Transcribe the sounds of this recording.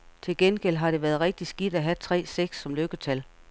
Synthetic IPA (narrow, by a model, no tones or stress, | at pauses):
t͡sʰe̝lɡ̥enɡ̥el̰ɦɑ̈ɾ̥e̝ʋæːɐðˠʁɛɡ̥̚d̥isɡ̥id̥æɦæt͡sʰʁɛ̰ːseɡ̥sːɒ̽mløɡ̥ət͡sʰæl